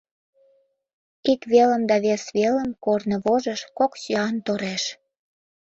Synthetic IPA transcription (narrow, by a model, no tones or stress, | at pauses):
ikβelə̆md̪ɑβesβelə̆mkornə̆βoʒə̆ʃkoksøɑnt̪oɾeʃ